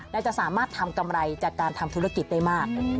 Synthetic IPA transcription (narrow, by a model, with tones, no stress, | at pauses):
naː˥˩t͡ɕa˨˩ʔsaː˩˦maː˥˩t̪ʰːa˧mka˧mɾa˧jt͡ɕaː˨˩kːaː˧nt̪ʰa˧mt̪ʰuː˦˥ɾa˧ki˨˩t̪̚da˥˩jmaː˥˩k̚